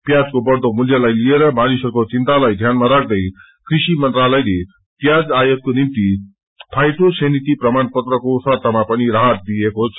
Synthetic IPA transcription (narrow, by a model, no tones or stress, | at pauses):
pjad͡zkobʌrd̪omuljʌlajlijeɾʌmanisʌrkot͡sint̪alajd̪ʱjanmaɾak̚ʰd̪ʌj | krisimʌnt̪ɾalʌjle | pjad͡zajotkonimt̪i | pʰajt̪osenit̪iprʌmanpʌt̪rʌkosʌt̪amapʌniɾaɦʌt̪̚d̪ijekot͡sʰ